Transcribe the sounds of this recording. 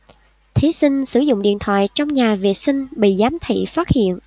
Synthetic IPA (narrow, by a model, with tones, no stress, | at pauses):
t̪ʰi˨˦sï˧ŋ̟sɨ˧˩zʊ̰˧˨ŋ͡mɗḭ˧˨ənt̪ʰwa̰ː˧˨jt͡ɕɔ˧wŋ͡mɲaː˨˩vḭ˧˨ət̚sï˧ŋ̟ɓḭ˧˨zaː˨˦mt̪ʰḭ˧˨faː˦˥t̚hḭ˧˨ənʔ